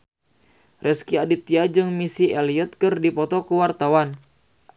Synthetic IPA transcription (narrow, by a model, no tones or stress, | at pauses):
rɛskiadit̪iad͡ʒɨŋmisiɛliɔt̪̚kɨrdipɔt̪ɔkuwart̪awan